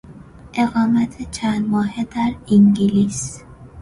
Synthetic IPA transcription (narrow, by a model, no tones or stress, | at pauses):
ʔe̞ɣɒːmæt̪ʰet͡ʃʰænd̪mɒːhed̪æɾiŋɡilis